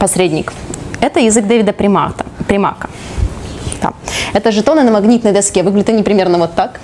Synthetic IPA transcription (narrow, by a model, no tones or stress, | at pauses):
pɐsɾʲedʲnʲɪkɛt̪əjɪzɨɡd̪evʲɪd̪əpɾʲɪmat̪əpɾʲɪma̰kə | d̪̥a̰ɛt̪əʐɨt̪onɨnəmɐɡnʲit̪nəjd̪ɐskʲevɨɡlʲɪdʲɪt̪ɨnʲɪpɾʲɪmʲe̞rnəvot̪ːak